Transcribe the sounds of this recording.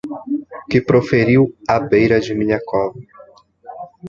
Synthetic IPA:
kɪpɾofeɾiwabejɾɐd͡ʒɪmĩɲɐkɔvɐ

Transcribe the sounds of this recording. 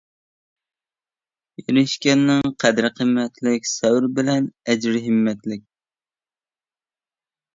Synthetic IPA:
jyɾɪʃkʲɛnːɪŋqʰæd̪ɾɪqʰəmːɛt̪ʰlɪkʲsɛwɾbɪlɛnɛd͡ʒɾɪɦɪmːɛt̪lɪk̚ʲ

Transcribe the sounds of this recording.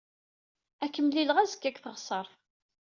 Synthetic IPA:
ækːəmlilʁæzəkːækθəʁsˤəɾˤ

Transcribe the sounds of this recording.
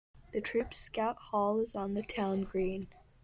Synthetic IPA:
ðɨtʰɹ̥ʉpskaʊt̚hɔlˠɪzn̩ðɨtʰãʊ̃nɡɹĩn

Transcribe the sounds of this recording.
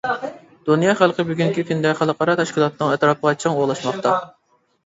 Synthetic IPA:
d̪̥unjɑχælˠqʰəbyɡʲyŋkʲifind̪ɛχælˠəqʰɑɾɑt̪ʰɛʃkʲilˠɑt̪nɨŋɛt̪ɾɑpʰəʁɑt͡ʃʰɑŋoʁlˠɑʃmɑχt̪ɑ

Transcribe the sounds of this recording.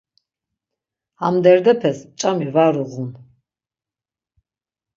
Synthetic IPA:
amd̪ɛɾd̪ɛpʰɛspt͡ʃʼamivaɾuʁun

